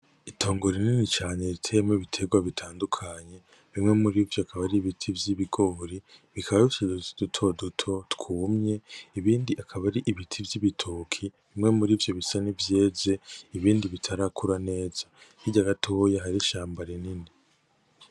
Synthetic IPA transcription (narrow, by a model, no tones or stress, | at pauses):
itʰo̞ːŋɡoɾininit͡ʃaːɲe̞ɾitʰejemoβitʰe̞ɡwaβitʰaːndukʰaɲe̞ | βimŋe̞muɾivjoakʰaβaɾiβitʰivjiβiɡo̞ːɾiβikʰaβaβit͡ʃedud̥utʰo̞dutʰo̞tkʰuːmɲe̞iβiːndiʔakʰaβaɾiʔiβitʰivjiβitʰuːkʰiβimŋe̞muɾiːvjo̞βisanivje̞ːze̞iβiːndiβitʰaɾakʰuɾane̞ːz̥a | iɟaɡatʰohjaɦaɾiʃaːmbaɾinini